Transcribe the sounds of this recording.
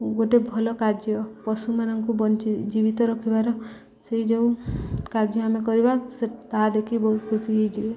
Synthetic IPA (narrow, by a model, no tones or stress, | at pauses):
ɡoʈebʱɔlɔkad͡ʒjɔpɔsumanɔŋkubɔnt͡ʃid͡ʒibit̪ɔɾɔkʰibaɾɔ | seɦid͡ʒeũkad͡ʒjɔamek̬ɔɾibaset̪aɦad̪ekʰibɔɦut̪kʰusiɦid͡ʒibe